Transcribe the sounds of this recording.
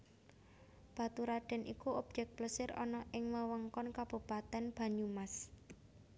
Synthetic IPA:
b̥a̤t̪uɾaɖ̥ɛ̤nʔikuɔb̥̚d͡ʒɛk̚t̪̚pləsɪɾɔ̰nɔʔɪŋməwəŋkɔnkab̥ṳpat̪ɛnb̥a̤ɲumas

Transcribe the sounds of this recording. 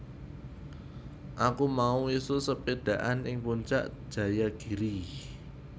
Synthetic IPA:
ʔakumauisusəpeɖ̥ä̤ʔanɪŋpuɲt͡ʃa̰ʔʒ̥ä̤jaɡ̥i̤ɾi

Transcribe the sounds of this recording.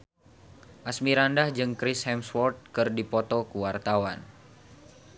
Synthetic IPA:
ʔasmiɾandahd͡ʒɨŋkɾishɛmswɔrt̪̚kɨrdipɔt̪ɔkuwart̪awan

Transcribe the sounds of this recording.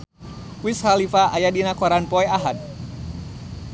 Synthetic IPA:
wishalifaʔajadinakɔɾanpɔɛaɦat̪̚

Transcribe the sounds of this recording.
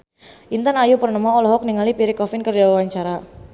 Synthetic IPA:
ʔint̪anajupərnəmɔːlɔɦɔk̚niŋalipiɾikɔfɪnkərd͡ʒawawaɲt͡ʃaɾa

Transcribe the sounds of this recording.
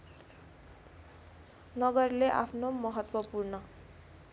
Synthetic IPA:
nʌɡʌrleʔa̰pʰnomʌɦʌt̪wʌpurnʌ

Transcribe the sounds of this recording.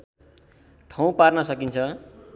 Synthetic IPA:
ʈʰʌw̃parnʌsʌkint͡sʰʌ

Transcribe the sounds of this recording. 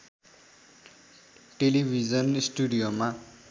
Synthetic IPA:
ʈelibʱid͡zʌnisʈuɖijoma

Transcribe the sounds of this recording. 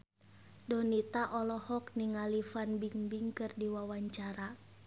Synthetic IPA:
dɔnit̪aʔɔlɔhɔk̚niŋalifanbiŋbiŋkɨrdiwawaɲt͡ʃaɾa

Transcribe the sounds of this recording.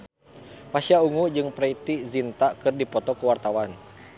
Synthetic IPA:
pasiauŋud͡ʒɨŋpɾait̪izint̪akɨrdipɔt̪ɔkəwart̪awan

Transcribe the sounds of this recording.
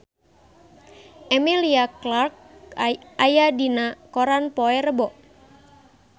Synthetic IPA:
ʔɛmiliaklark̚ | ajadinakɔɾanpɔɛrəbɔʔ

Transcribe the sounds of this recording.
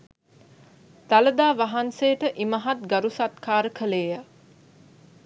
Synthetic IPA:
d̪̥aləd̪aːʋaɦansejːʈəʔiməɦat̪̚ɡaɾusat̪kaːɾəkʰəleːja

